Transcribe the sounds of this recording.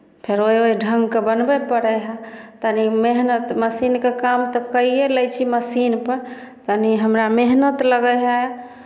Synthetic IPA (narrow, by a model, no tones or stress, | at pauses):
pʰeɾoɦioiɖʱəŋɡkebənbɛpəɽɛɦat̪ənimeɦnət̪məsinkekamt̪ɔkəijeləjt͡ʃʰiməsinpəɾ | t̪əniɦəmɾameɦnət̪ləɡəjɦa